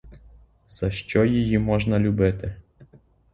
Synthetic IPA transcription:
z̥ɐʃt͡ʃɔjɪjimɔʒnɐlʲʊbɪt̪ɪ

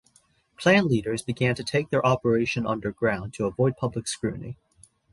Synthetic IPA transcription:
pʰl̥æ̃nliɾə˞zbɨɡæ̃ntʰɨtʰeɪk̚ðə˞ʔɑpə˞eɪʃɨ̃nʌ̰̃ndə˞ɡɹãʊ̃ntʰəəvɔɪd̚pʰʌbləkskɹʉ̰ʔnḭ

